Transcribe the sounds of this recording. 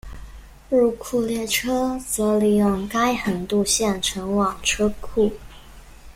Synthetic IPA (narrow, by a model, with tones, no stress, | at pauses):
ɻu˥˩kʰu˥˧ljɛ˥˩ʈ͡ʂʰɤ˥t͡sɤ˧˥li˥˩jʊ˥˩ŋka˥ɪxə˨˩nt̪u˥˧ɕjɛ˥˩nʈ͡ʂʰə˧˥ŋwɑ˨˩ŋʈ͡ʂʰɤ˥kʰu˥˩